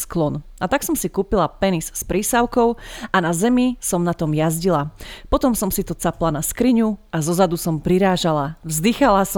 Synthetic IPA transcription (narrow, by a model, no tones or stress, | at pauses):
sklɔn | at̪aksɔmsikuːpilapɛnisspɾiːsaʊkɔʊanazɛmisɔmnat̪ɔmjazɟilapɔt̪ɔmsɔmsit̪ɔt͡saplanaskɾiɲuʔazɔzad̪usɔmpɾiɾaːʒalavzd̪ixalasɔ